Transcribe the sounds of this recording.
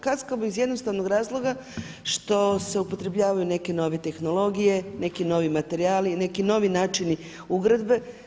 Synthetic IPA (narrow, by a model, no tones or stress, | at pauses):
kaskamoizjed̪no̞st̪aʋno̞ɡɾaːzlˠo̞ɡa | ʃt̪o̞se̞upo̞t̪ɾe̞bʎaːʋajune̞ke̞no̞ʋe̞t̪e̞xno̞lˠo̞ɡije̞ne̞kino̞ʋimat̪e̞ɾiaːline̞kino̞ʋinaːt͡ʃini | uɡɾad̪be̞